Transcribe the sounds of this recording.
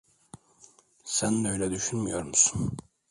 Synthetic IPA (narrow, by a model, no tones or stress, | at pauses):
sænd̪øjlɛd̪yʃynmyjoɾmusu̥n